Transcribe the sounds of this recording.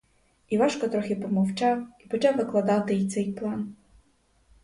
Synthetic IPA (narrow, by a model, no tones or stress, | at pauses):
iʋɑʃkɔt̪ɾɔxʲɪpɔmɔwt͡ʃɑwipɔt͡ʃaʋɪklˠɐd̪ɑt̪ɪit̪sɛjplˠɑn